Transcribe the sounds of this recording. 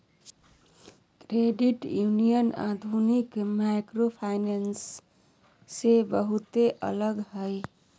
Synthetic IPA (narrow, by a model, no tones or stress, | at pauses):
kɾeɖiʈjunijəna̰d̪ʱunikmajkɾopʰajnansː | ebəɦut̪eʔə̰ləɡɦəj